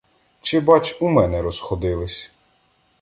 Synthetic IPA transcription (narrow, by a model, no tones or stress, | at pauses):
t͡ʃɪbɑt͡ʃumɛnɛɾɔsxɔd̪ɪlˠɪsʲ